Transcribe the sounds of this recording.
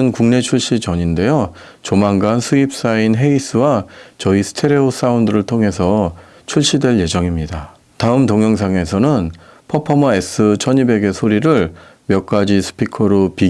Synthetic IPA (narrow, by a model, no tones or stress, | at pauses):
ɯnkuŋne̞t͡ɕʰuɭɕ͈it͡ɕʌɲinde̞jo | t͡ɕomaŋɡansʰuip̚s͈ainɦe̞is͈ɯwat͡ɕʌisʰɯ̥tʰe̞ɾeos͈ʰaundɯɾɯɭtʰoŋɦe̞s̬ʰʌ | t͡ɕʰuɭɕ͈idwe̞ɭje̞d͡ʑʌŋimɲida | taɯmtoŋjʌŋsʰaŋe̞sʰʌnɯnpʰʌpʰʌmʌe̞s͈ʰɯt͡ɕʰʌɲibe̞ɡe̞sʰoɾiɾɯɭmjʌk̚k͈ad͡ʑisʰɯ̥pʰikʰʌɾopi